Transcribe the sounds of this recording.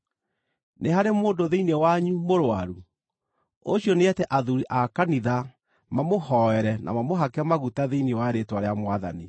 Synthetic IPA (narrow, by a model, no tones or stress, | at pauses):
neɦaɾemoːdoðeinewaɲumoɾwa̰ɾu | oɕjɔneɛtɛʔaðuɾiʔakaniða | mamohɔɛɾɛna̰mamoɦakɛmaɣutaðeiniewaɾetwaɾeamwaða̰ni